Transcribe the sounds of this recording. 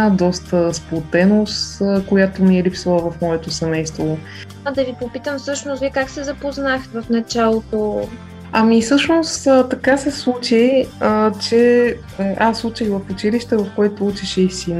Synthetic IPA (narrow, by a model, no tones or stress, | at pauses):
d̪ɔst̪əsplˠot̪ɛnost̪ːkojat̪omiɛlipsɐlˠəvɐfmɔɛt̪osɛmɛjst̪vo | d̪ɐvipopit̪əmfsɤʃnosvʲikaksɛzɐpoznaxt̪vɐfnɐt͡ʃalˠot̪o | ɐmisɤʃnosət̪ɐkasɛslˠut͡ʃijət͡ʃɛ | ʔasˠut͡ʃəɣvɐfut͡ʃiliʃt̪ɛvɐfkoɛt̪out͡ʃɛʃɛisin